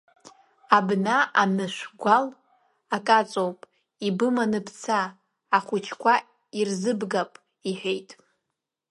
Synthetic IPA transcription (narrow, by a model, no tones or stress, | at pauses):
abnaanɨʃʷɡʷal | akʼat͡sʼowpʼ | ibɨmanɨpʰt͡sʰaː | χʷʊt͡ʃʰkʷa | irzɨbɡapʼ | iħʷᶣejtʼ